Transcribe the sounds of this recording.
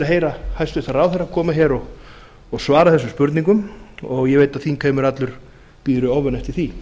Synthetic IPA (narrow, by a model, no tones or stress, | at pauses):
aɦeːjɾahajst̪vɪht̪araːwθeɾakʰɔːmaçɛɾɔɣː | ɣsvaːɾaðθɛsʏmspʏɾt̪niŋkʏmɔɣjɛveːjt̪aðθinkʰeːɥmʏɾat̪lʏɾ̥ | piːɾʏɔvʏnɛht̪ɪθi